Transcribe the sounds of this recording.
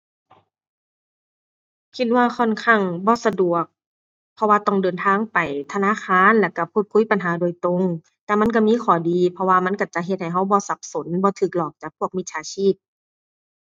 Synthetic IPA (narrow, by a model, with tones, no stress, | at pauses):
kʰi˧t̪̚waː˧kʰɔ˧˥˨nkʰa˧˩ŋbɔː˧˦sa˧du˨˩ək̚ | pʰːɔ˧waː˧t̪ɔ˧˩ŋdɤː˨nt̪ʰaː˧˥˨ŋpa˨˩jt̪ʰa˧naː˧˥˨kʰaː˧˥˨nlɛː˧˩ka˧˩pʰuː˧˩t̪̚kʰu˧˥˨jpa˨nɦaː˨˦do˧˨jt̪ɾo˧˨ŋ | t̪ɛː˧˩ma˧˥˨nk̬a˧˩miː˧˥˨kʰɔː˨˩diː˨pʰɔ˧waː˧ma˧˥˨nka˧˩t͡ɕa˨˧˩ʔɦe˧t̪̚ha˨˩jɦa˧˥˩wbɔː˧˦sa˧˦p̚so˨˦nbɔː˧˦t̪ʰɯː˨˩k̚lɔː˨˩k̚t͡ɕaː˨˩k̚pʰu˥˩ək̚mi˧˥t̪̚t͡ɕʰaː˧˦t͡ɕʰiː˧˥˩p̚